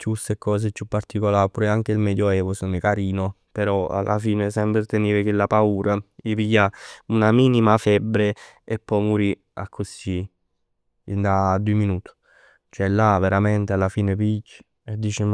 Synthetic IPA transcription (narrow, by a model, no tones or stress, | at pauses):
t͡ʃust̪ekɔːs̬et͡ʃːupːart̪ikolaːɾpuɾɛaŋk̟eilmɛːd̪joɛːvosonikaɾiːno | peɾɔa̰lʔa̰fiːnesɛmbɾet̪eniːɾekelːapauːɾaipijaunamiːnimafɛbːɾe | epːɔjmuɾi | a̰kʰːosi | d̪ad̪ːueminuːt̪u̥ | t͡ʃɛlːaveɾamɛnt̪ealːafiːnepid͡ʒi̥ | ed̪ːiːt͡ʃe